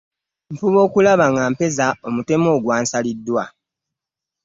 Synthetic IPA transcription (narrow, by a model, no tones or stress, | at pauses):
ɱfuβo̞ːkulaβaŋɡaːmpe̞zao̞mute̞mo̞ːɡwaːnsalidːwa